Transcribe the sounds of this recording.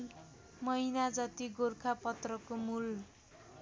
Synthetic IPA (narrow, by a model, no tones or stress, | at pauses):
mʌjnad͡zat̪iɡorkʰapʌt̪rʌkomul